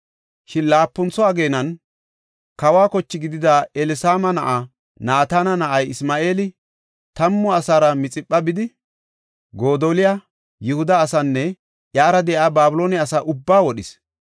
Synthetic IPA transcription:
ʃɪnlaːpːʊnt͡sːɔɐɡe̞ːnɐn | kɐwaːkɔt͡ʃːɪɡɪd̪ɪd̪aɛlɪsaːmɐnɐʔa | naːt̪aːnɐnɐʔɐjɪsmaːʔeːlɪ | t̪ɐmːɔɐsaːɾɐmɪt͡sʼɪpːɐbɪd̪ɪ | ɡo̞ːd̪oːlɪja | jɪhʊd̪ɐːsɐnːɛ | jaːɾɐd̪ɛjʔaːbaːbʊlo̞ːnɛɐsaʔʊbːaːwɔɗɪs

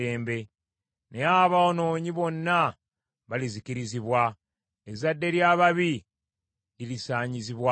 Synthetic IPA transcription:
e̞ːmbe̞ | neaβaono̞ːɲiβo̞nːa | βaliziciɾiziβwa | ezadːe̞ɾjaːβaβi | lilisaːɲiziβwa

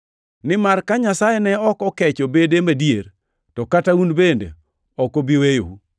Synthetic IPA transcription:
nɪmarkaɲasajɛnɛɔkɔkɛt͡ʃobedemadijeɾ | tɔkataunbendḛ | ɔkobiwejo̰u

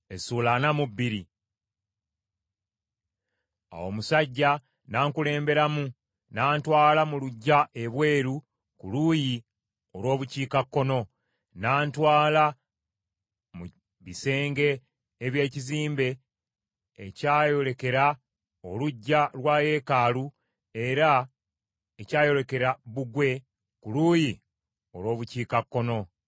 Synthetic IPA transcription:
esuːlanamubːiɾi | a̰womusaɟːa | naːŋkule̞ːmbe̞ɾamu | naːntwaːlamuluɟːaʔe̞βwe̞ːɾu | kuluji | o̞lwo̞ːβuciːkakːo̞no̞ | naːntwaːla | mu | βise̞ːŋɡe̞ː | βje̞ːciziːmbe̞ː | caːjo̞le̞ke̞ɾa | o̰luɟːalwaːje̞ːkaːlu | e̞ɾa | ecaːjo̞ɾe̞ke̞ɾaβuɡwe̞ | kuluːji | o̞lwo̞ːβuciːkakːo̞no̞

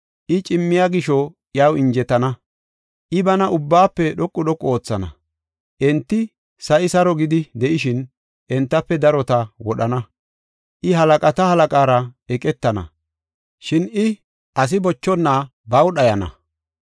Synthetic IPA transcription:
ʔɪt͡ʃʼɪmːɪjaːɡɪʃɔʔjɐwɪɲd͡ʒɛt̪ːɐnɐ | ʔɪbɐnɐʔʊbːaːpːɛɗɔkʼːʊɗɔkʼːo̞ːt͡sːɐnɐ̰ | ʔɛnt̪ːɪ | sɐʔɪsɐɾɔɡɪd̪ɪd̪ɛʔɪʃɪn | ʔɛnt̪ːɐpːɛd̪ɐɾɔt̪ɐwɔɗɐnɐ | ʔɪɦɐlɐkʼɐt̪ɐhɐlɐkʼaːɾɐɛkʼɛt̪ːɐnɐ̰ | ʃɪnɪ | ɐs̬ɪbɔt͡ʃːɔnːa | bɐwɗɐjɐnɐ̰

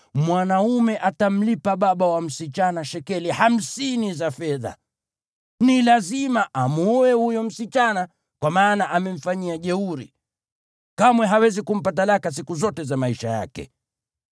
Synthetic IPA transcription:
mwanaumɛʔatam̩lipaɓaɓawam̩sit͡ʃanaʃɛkɛliham̩sinizafɛða̰ | nilazimaʔamuɔwɛhujɔm̩sit͡ʃana | kwamaːnaʔamɛm̩faɲiaʄɛuɾḭ | kamwɛɦawɛzikum̩pat̬alakas̬ikuzɔtɛzamaiʃaja̰kɛ̰

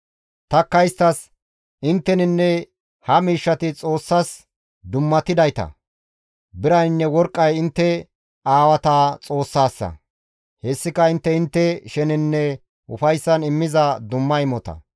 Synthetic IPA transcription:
t̪ɐkːɐjst̪ɐs | ʔɪnt̪ːɛnɪnːɛ | hɐmiːʃːɐt̪ɪt͡sʼo̞ːsːɐs | d̪ʊmːɐt̪ːɪd̪ɐjt̪ɐ̰ | bɪɾɐjnːɛwɔɾkʼːɐjɪnt̪ːɛ | aːwɐt̪aːt͡sʼo̞ːsːaːsːɐ̰ | hɛsːɪkɐɪnt̪ːɛɪnt̪ːɛʃɛnɪnːɛ | ʊfɐjsːɐnɪmːɪzɐd̪ʊmːɐɪmɔt̪ɐ̰

